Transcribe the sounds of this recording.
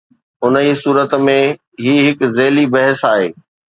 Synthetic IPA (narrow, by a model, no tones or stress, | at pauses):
ʊnəiːsuːɾət̪mẽ | ɦiːɦɪkzeːlibɐɦəsaːɦeː